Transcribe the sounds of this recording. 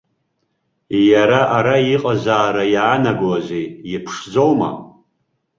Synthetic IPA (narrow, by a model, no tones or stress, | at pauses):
jaɾaʔaɾaiqʼazaːɾajaːnaɡwazʷeipʰʂd͡zowma̰